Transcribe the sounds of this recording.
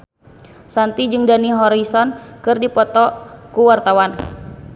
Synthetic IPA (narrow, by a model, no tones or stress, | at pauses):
sant̪id͡ʒɨŋdaniɦɔɾisɔnkɨrdipɔt̪ɔkuwart̪awan